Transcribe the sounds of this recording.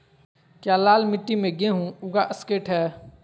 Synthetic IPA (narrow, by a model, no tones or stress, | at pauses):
kjaːlaːlmɪʈːimẽɡẽɦũʊɡaʔɐskeːʈɦɛː